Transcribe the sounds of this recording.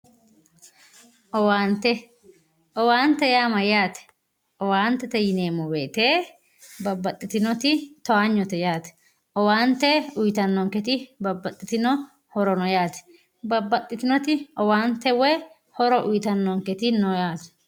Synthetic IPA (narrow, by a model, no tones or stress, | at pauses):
ʔɔwaːnt̪ɛ | ʔɔwaːnt̪ɛjaːmɐjaːt̪ɛ̥ | ɔwaːnt̪ɛt̪ɛjɪneːmɔweːt̪eː | bɐbːɐt̪ʼːɪt̪ɪnɔt̪ɪt̪ɔaːɲːɔt̪ɛjaːt̪ɛ̥ | ʔɔwaːnt̪ɛʊjt̪ɐnːɔŋkɛt̪ɪbɐbːɐt̪ʼːɪt̪ɪnɔ | hɔɾɔnɔjaːt̪ɛ̥ | bɐbːɐt̪ʼːɪt̪ɪnɔt̪ɪɔwaːnt̪ɛwɛ | hɔɾɔʔʊjt̪ɐnːɔŋkɛt̪ɪnɔjaːt̪ɛ̥